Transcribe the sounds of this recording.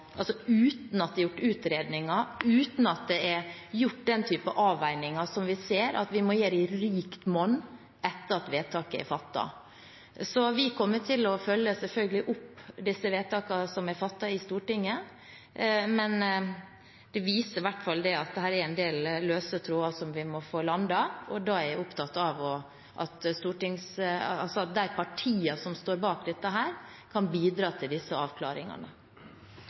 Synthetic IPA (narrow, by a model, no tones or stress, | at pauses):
ʔɑlsɔʉːt̪n̩ɑt̪̚d̪ɛjʊʈːʉːt̪ɾeːd̪nɪŋɑʉːt̪n̩ɑt̪̚d̪ɛɛɾjʊʈ̚ːd̪ɛnt̪ʰyːpəʔɑːʋæɪnɪŋɑsɔmʋɪseːɾʔɑ̰t̪ʋɪmɔjeːɾɪɾiːkt̪mɔnː | ʔɛt̪ːəɾɑt̪ʋeːt̪ʰɑːkəɪ̰fɑt̪ːɑ̰ | sɔʋɪkʰɔmːət̪ʰɪlɔfœlːəsɛlfœlɡəlɪʔʊpːd̪ɪsːəʋeːt̪ɑːkɑsɔmæɾfɑt̪ːɑɪst̪uːʈɪŋːə | mɛn | d̪̥ɛʋiːsəɾʋæʈːfɑld̪ɛɑt̪̚d̪ɛɦhæːɾɛɾæɪnd̪eːlːøːsət̪ʰɾuːɑsɔmʋɪmɔfoːlɑnd̪ɑɔd̪ɑæɾʊpt̪ɑt̪ːɑʋɔ | ʔɑ̰t̪st̪uːʈɪŋsɑlsɔɑt̪̚d̪æɪpʰɑʈʰiːɑsɔmst̪oːɾbɑːkd̪ɛt̪ːəɦæːɾ | kʰɑnbiːd̪ɾɑːt̪ʰɪld̪ɪsːəɑːʋkʰlɑ̰ːɾɪ̰ŋɑ̰nə̰